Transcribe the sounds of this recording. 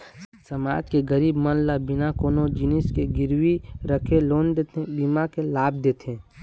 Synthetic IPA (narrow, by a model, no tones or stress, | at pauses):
səma̰ːd͡ʒkeɡəɾiːbmənlabɪnakoːnod͡ʒɪnɪskeɡɪɾwiɾəkʰeloːnd̪et̪ebimakelaːb̚d̪eːt̪ʰẽː